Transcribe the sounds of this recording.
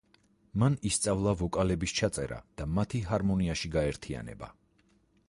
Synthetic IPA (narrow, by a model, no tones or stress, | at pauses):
manist̪sʼavlˠavɔkʼalɛbist͡ʃʰat̪sʼɛ̰ɾa̰d̪̥amat̪ʰiɦaɾmɔniaʃiɡaɛɾt̪ʰia̰nɛ̰ba̰